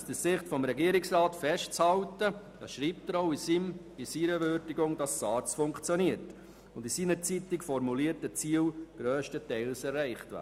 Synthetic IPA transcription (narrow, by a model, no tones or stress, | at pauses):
sd̥əsɪχtfɔmɾɛɡiːɾɪksrɑːtfɛʃt̚t͡shɑltəd̥ɑːʃɾiːp̚təɾoʊisiːm | isiːɾəvøɾdɪɡʊŋd̥ɑssɑːt͡sfʊŋkt͡sjɔniəɾt | ʊndisiːnəɾt͡sitɪkfɔɾmuliːəɾtət͡siːwɡ̥ɾøːʃtətɛɪlsɛrːɛɪχtʋæ̰ː